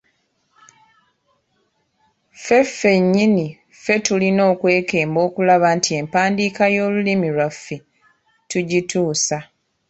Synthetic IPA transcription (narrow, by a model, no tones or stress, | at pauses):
fe̞fe̞ɲːini | fe̞tulino̞ːkwe̞ːke̞ːmbo̞ːkulaβantie̞mpaːndiːkajo̞ːlulimilwafːi | tuɟituːsa